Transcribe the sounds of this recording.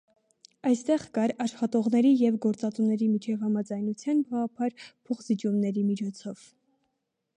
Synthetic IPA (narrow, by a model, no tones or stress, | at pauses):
ɑjst̪ɛʁkɑɾɑʃχɑt̪ɔʁnɛɾijɛvɡɔɾt͡sɑt͡sumnɛɾimit͡ʃʰɛvhɑmɑd͡zɑjnut͡sʰjɑnbɑʁɑpʰɑɾpʰɔχzit͡ʃumnɛɾimit͡ʃʰɔt͡sʰɔv̥